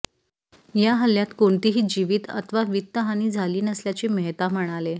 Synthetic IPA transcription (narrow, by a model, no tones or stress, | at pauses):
jaɦəljat̪koɳt̪iːɦiːd͡ʑiʋiːt̪ə̰t̪ʰʋaʋit̪ːəɦaniːd͡zʱaliːnəsljat͡seməɦt̪am̤əɽ̃ale